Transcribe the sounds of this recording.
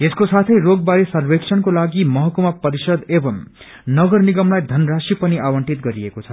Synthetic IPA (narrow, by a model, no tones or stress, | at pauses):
eskosat̪ʰʌjɾoɡ̚baɾesʌrbeksʰʌnkolaɡimʌɦʌkomapʌɾisʌd̪ebʌm | nʌɡʌrniɡʌmlajd̪ʱʌnrasipʌniʔawʌɳʈit̪̚ɡʌɾiekot͡sʰʌ